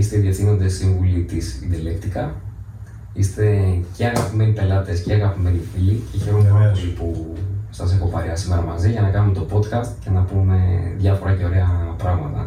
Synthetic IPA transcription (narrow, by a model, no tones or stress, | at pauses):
ist̪eðjɐθino̞nd̪esiɱvulit̪isind̪ilekt̪ikɐ | ist̪e̞ceɐɣɐpime̞nipe̞lɐt̪e̞sceɐɣɐpime̞nifiliceçe̞ɾo̞moeosipusɐse̞xo̞pɐɾiɐsime̞ɾɐmɐziʝɐnɐkɐnume̞t̪o̞po̞t̪kɐst̪cenɐpume̞ðʝɐfo̞ɾɐce̞o̞ɾe̞ɐpɾɐɣmɐt̪ɐ̰